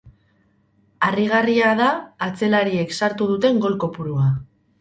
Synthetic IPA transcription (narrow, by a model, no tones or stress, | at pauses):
ariɣ̞ariaðaːt͡se̞laɾie̞ksaɾt̪uð̞ut̪e̞ŋɡo̞lko̞puɾua